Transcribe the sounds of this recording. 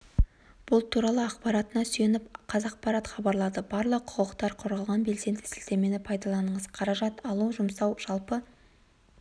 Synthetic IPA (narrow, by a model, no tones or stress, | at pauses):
b̥ʊlˠt̪ʰuɾɑlˠəɑqpɑɾɑt̪ənɑsʏje̞nɪpqʰɑzɑq̚pɑɾɑt̪χɑbɑɾlˠɑd̪əbɑɾlˠəqʰʊ̥qəqt̪ɑɾqʰoɾʁɑlˠʁɑnbe̞lse̞nd̪ɪsɪlt̪e̞me̞nɪpʰɑjd̪ɑlˠɑnəɴəz̥qʰɑɾɑʒɑt̪ɑlˠuʒʊmsɑwʒ̥ɑlˠpə